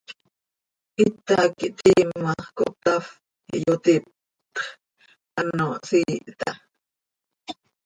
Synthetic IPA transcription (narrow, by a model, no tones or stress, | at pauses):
ʔit̪akiʔt̪iːmaχko̰ʔt̪af | ḭʔjot̪ip̚ | t̪χ | ʔanosiːʔt̪ɑ